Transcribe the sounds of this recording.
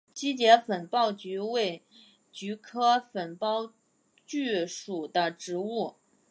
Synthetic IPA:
t͡ɕi˥t͡ɕjɛ˧˥fə˨˩npɑ˥˩ʊt͡ɕy˧˥we˥˩ɪ | t͡ɕy˧˥kʰɤ˥fə˨˩npɑ˥˧ʊ | t͡ɕy˥˩ʂu˨˩d̪ə˦ʈ͡ʂɻ̩˧˥u˥˩

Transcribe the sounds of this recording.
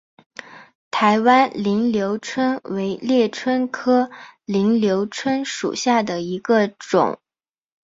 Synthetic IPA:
t̪ʰa˧˥ɪwa˥nli˧˥ŋljo˧˥ʊʈ͡ʂʰwə˥nwe˧˥ɪljɛ˥˩ʈ͡ʂʰwə˥nkʰɤ˥li˧˥ŋljo˧˥ʊʈ͡ʂʰwə˥nʂṵ˨˩ɕja˥˩d̪ə˩i˧˥ɡə˧ʈ͡ʂʊ̰˨˩˦ŋ

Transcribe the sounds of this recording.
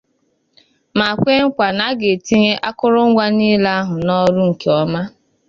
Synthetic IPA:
ma˨kʷe˦ŋ̩˦kʷa˨na˨˦ɡe˨ti˦ɲe˦ʔa˦kʊ˦ɾʊ˦ŋ̩˦ɡʷa˦niː˦la˦a˦ɦʊ˨nɔ˦ɾu˦ŋ̩˨ke˨ɔ˦ma˦

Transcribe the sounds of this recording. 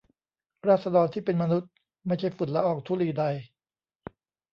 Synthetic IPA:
ɾaː˥˩sa˧dɔː˧nt̪ʰiː˥˩pe˧nma˧nu˦˥t̪̚ | ma˥˩jt͡ɕʰa˥˩jfu˨˩n̚la˦˥ʔɔː˧˩k̚t̪ʰuː˥˩liː˧˩da˧j

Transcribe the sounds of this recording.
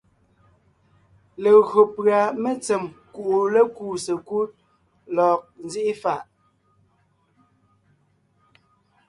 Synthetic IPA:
le˨ɣɰo˨pɰa˨me˦t͡sɛ˨mku˨ʔu˨le˦kuː˦˨se˨ku˦t̚ | lɔː˨k̚n̩˦zi˦ʔi˦fa˨ʔ

